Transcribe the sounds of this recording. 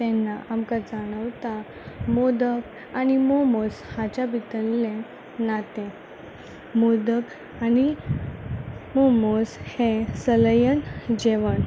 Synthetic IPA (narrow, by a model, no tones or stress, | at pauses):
t̪ɛnːaʔamkad͡zaɽ̃əʋt̪a | mod̪ək | animomoshat͡ɕabʱit̪əllẽ | nat̪ẽ | mod̪ək | ani | momoshẽsələjənd͡ʑeʋəɳ